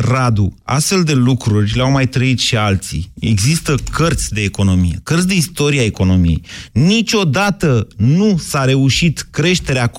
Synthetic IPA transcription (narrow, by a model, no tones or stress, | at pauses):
rad̪ua̰st̪fe̞ld̪e̞lukɾurʲleawmajt̪ɾəit̪ʃialt̪sḭe̞̰ɡzist̪əkʰərt̪sʲd̪e̞ːko̞no̞mije̞̰kərt̪ʲd̪e̞ist̪o̞ɾieaeko̞no̞mijḛjnit͡ʃʲo̞d̪at̪ənusaɾe̞uʃit̪kɾe̞ʃt̪e̞ɾea